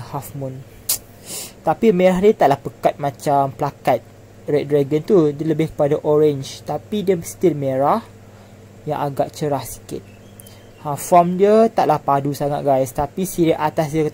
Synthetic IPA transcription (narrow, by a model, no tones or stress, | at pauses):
hafmun | t̪apimẽɾaɦdiət̪aʔlahpəkat̪̚mãt͡ʃampəlakat̪̚ | ɾɛt̚dɾaɡənt̪udələbɪhkə̥padaʔoɹɛnd͡ʒt̪apidiəst̪ilmẽɾah | jã̰ŋaɡaʔt͡ʃəɾahsi̥kɪ̰t̪̚ | afɔmdiət̪aʔlahpadusaŋat̪̚ɡajst̪apisiɾiʔat̪asdiəkə